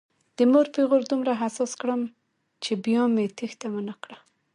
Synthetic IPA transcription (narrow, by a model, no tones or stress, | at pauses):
d̪̥əmoɾpeɣoɾd̪umɾaɦasɑskɽəm | t͡ʃebjɑmet̪ixt̪amanakɽa